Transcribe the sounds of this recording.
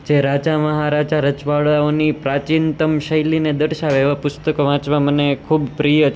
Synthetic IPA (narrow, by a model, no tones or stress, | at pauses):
d͡ʒeɾad͡ʒaməɦaɾad͡ʒaɾət͡ʃʋaɭaonipɾat͡ʃint̪əmʃəjlined̪əɽʃaʋeʋapʊst̪əkoʋãt͡ʃʋãmənekʰubpɾijə